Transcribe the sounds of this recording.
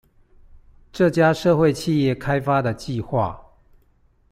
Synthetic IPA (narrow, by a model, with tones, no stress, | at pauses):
ʈ͡ʂɤ˥˨t͡ɕja˥˦ʂɤ˥˧xwe˥˨ɪt͡ɕʰi˥˧jɛ˥˩˨kʰa˦ɪfa˦d̪ə˨t͡ɕi˥˧˨xwa̰˥˩